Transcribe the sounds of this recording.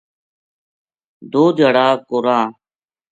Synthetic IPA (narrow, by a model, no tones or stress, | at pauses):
d̪oːd̪ʱjaːɽaːkoːɾãː